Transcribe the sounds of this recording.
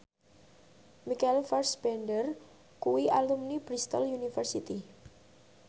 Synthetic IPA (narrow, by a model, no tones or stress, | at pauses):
mikalfarsb̥ɛɳɖər | kuwialumnib̥ɾist̪ɔ̰ljunifərsit̪i